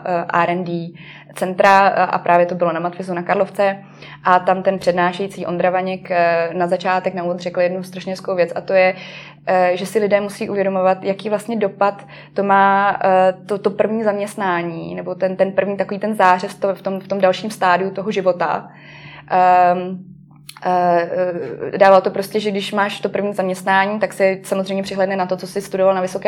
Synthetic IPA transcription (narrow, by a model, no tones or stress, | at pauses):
ʔaɾɛndi | t͡sɛnt̪ɾaʔa̰pɾʔaːvjɛt̪o̞bɪlo̞namat̪fɪzunakaɾloft͡sɛ | ʔat̪amt̪ɛnpr̥ɛdnaːʃɛjit͡siːʔo̞nd̪ɾavaɲɛknazat͡ʃaːt̪ɛknauvot͡srɛkl̩jɛdnust̪ɾaʃɲɛɦɛskowvjɛt͡sʔat̪o̞jɛ | ʒɛsɪlɪdɛːmusiːʔuvjɛdomovat̪jakiːvlast̪ɲɛdo̞pat̪ː | o̞maː | t̪ot̪opr̩vɲiːzamɲɛst̪naːɲiːnɛbo̞t̪ɛnt̪ɛnpr̩vɲiːt̪akoviːt̪ɛnzaːr̝ɛst̪oft̪omft̪o̞mdalʃiːmst̪aːdɪut̪o̞ɦoʒɪvo̞t̪a̰ | daːvalt̪o̞pɾoscɛʒɛɡdɪʃmaːʃt̪o̞pr̩vɲiːzamɲɛst̪naːɲiːt̪aksɛsamozrɛjmɲɛpr̥ɪɦlɛdnɛnat̪o̞t͡sosɪst̪udovalnavɪsokɛː